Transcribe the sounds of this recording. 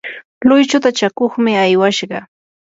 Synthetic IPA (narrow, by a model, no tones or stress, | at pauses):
lʊjt͡ʃʊt̪at͡ʃakoχmɪajwaʃɢɑ